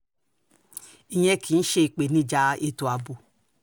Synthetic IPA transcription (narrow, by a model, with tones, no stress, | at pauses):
i˧ɲɛ˧kʰi˨˦n̩˦ʃe˦˨k͡pe˨nĩ˦d͡ʒa˧e˧tu˨a˨bu˨